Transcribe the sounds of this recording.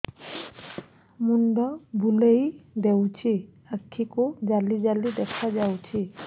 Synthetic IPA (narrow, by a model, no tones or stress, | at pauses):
mundɔbʱulejdewt͡ʃʰi | akʰːikʊzalizalidɛkʰazawt͡ʃʰi